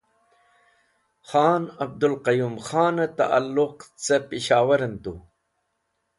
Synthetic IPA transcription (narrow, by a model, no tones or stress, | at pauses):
xaːnɐb̚d̪ulqɐjuːmxaːnɐt̪a̰ʔa̰lːʊqt͡sepiɕaːwɐɾɐnt̪u